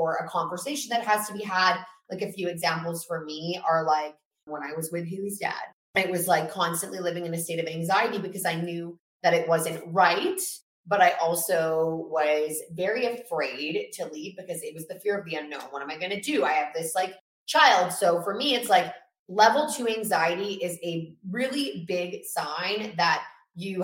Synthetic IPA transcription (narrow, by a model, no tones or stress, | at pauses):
ə˞ɨkʰɑ̃ɱvə˞seɪʃɨ̃n̩ðɨt̚ɦɨz̥tʰəbiɦəd̚laɪkɨfjʉɨɡzæ̃mpl̩ˠz̥fə˞miə˞laɪk | wə̃ñaɪwʌzwɪðɦʉzdæ̰d̥̚ | ɨt̚wʌzlaɪkʰːɑ̃nstɨ̃nʔlilɪvɪ̃ŋɨ̃nɨsteɪɾʌvæ̃ŋzaɪɨɾibɨkʰʌzaɪnjʉ | ðɨɾɨt̚wʌzɨ̃nʔɹaɪt̚ | b̥ʌɾaɪʔɔlˠsoʊwʌzvɛɹiɨfɹeɪd̚tʰɨlivbɨkʰʌzɨt̚wʌzðɨfɪɹʌvðiʌ̃nːõʊ̃nwʌɾə̃maɪɡʌñɨdʉa̰ɪɨvðɪslaɪk | t͡ʃʰaɪlˠd̥soʊfə˞miɨtslaɪk | lɛvl̩ˠtʰɨæ̃ŋzaɪɨɾiʔɪzɨɹɪlˠibɪɡsãɪ̃nðət͡ʃ | ɨ